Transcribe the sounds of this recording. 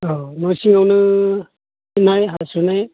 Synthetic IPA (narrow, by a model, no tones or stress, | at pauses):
ɔnɔjsiŋawnɯ | inajɦasunaj